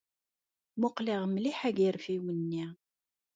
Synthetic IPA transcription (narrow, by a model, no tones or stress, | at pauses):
mʊqliʁmliħæɡiɾfiwənːi